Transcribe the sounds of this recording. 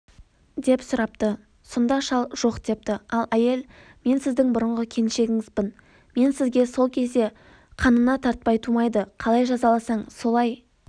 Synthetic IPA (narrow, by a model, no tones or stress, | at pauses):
d̪e̞psʊɾɑp̚t̪ə | sond̪ɑʃɑlˠʒ̥o̞qd̪̥e̞p̚t̪ɪɑlˠæje̞l | me̞nsɪzd̪ɪŋbʊɾəɴʁəkʲʰe̞nʃe̞ɡʲɪŋɪzbɪn | me̞nsɪzɡʲe̞so̞lˠkʲʰe̞zd̪e̞ | qʰɑnənɑt̪ʰɑɾt̪̚pɑjt̪ʰumɑjd̪əqʰɑlˠɑjʒɑzɑlˠɑsɑɴso̞lˠɑj